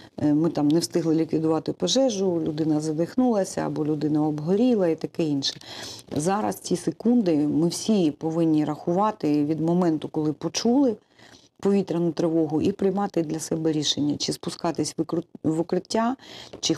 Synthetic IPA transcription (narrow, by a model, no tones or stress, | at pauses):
mɪt̪ɑmnɛwst̪ɪɦlˠɪlʲikʋʲid̪ʊʋɑt̪ɪpɐʒɛʒʊlʲʊd̪ɪnɐzɐd̪ɪxnulˠɐsʲɐ̰ːbɔlʲʊd̪ɪnɐɔbɦɔɾʲilˠɐit̪ɐkɛinʃɛ̥zɑɾɐ̰st͡sʲisekund̪ɪmɪwsʲipɔʋɪnʲːiɾɐxʊʋɑt̪ɪʋʲid̪mɔmɛnt̪ʊkɔlˠɪpɔt͡ʃulˠɪ | pɔʋʲit̪ɾɐnʊt̪ɾeʋɔɦʊʔipɾɪjmɑt̪ɪd̪lʲɐsɛbɛɾʲiʃenʲːɐt͡ʃɪspʊskɑt̪ɪsʲʋkʊʋʊkɾɪtʲːat͡ʃɪ